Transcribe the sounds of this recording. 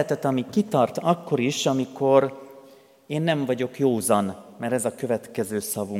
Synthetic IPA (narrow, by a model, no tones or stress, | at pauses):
ɛt̪ɛt̪ɒmikit̪ɒrt̪ɒkːo̞ɾiʃɒmiko̞ɾ | eːnːɛɱvɒɟo̞kjoːzɒnmɛɾɛzɒkø̞vɛt̪kɛzøːsɒvu